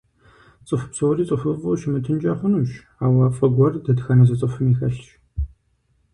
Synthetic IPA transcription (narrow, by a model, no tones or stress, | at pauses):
t͡sʼɨfpsɐwriːt͡sʼɨfɨfʼʊːʃɪmɨtʰɨnt͡ʃʼɐχʷʊnumʃ | aːwɐfʼɐɡʷɐrdɐdxɐnɐzɐt͡sʼɨfɨmiːxɐɬʃ